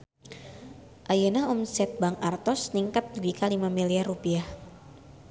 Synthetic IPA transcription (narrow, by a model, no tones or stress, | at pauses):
ʔajənaɔmsɛt̪̚baŋart̪ɔsniŋkat̪̚d͡ʒuɡikalimamiliarːupiah